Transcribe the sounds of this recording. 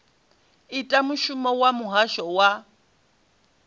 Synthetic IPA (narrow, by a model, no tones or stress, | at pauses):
itʼamuʃumɔwamuɦaʃɔwa